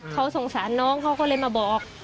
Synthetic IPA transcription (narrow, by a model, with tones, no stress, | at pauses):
kʰa˦˥wso˨˩ŋsaː˩˦nːɔː˦˥˩ŋkʰa˦˥wkɔː˥˩lɤː˧jmaː˧bɔː˨˩k̚ːk̚